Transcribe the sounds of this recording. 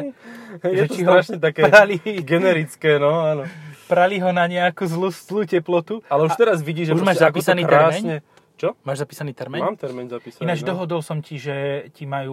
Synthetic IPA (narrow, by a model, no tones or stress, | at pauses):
jɛʒɛt͡ʃiɦɾaʃɲɛt̪akɛɾaliɡɛnɛɾit͡skɛːnɔaːnɔpɾaliɦɔnaɲɛakuzluszluːcɛplɔt̪ualɛuʃt̪ɛɾazʋiɟiːʒɛuʒmaːʒzapisaniːɾɛaɾːmɛɲɲɛ | t͡ʃɔmaːʒzapiːsaniːt̪ɛɾmɛɲmamt̪ɛɾmɛnzapiːsainad͡ʒd̪ɔɦɔd̪ɔlsɔmciʒɛcimajuː